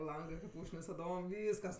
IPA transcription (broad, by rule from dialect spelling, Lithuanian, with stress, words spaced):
ˈlˠɐŋɡɜ kɐɪp ˈuːʃknʲɪs tɐˈdoːm ˈʋʲiːskɐs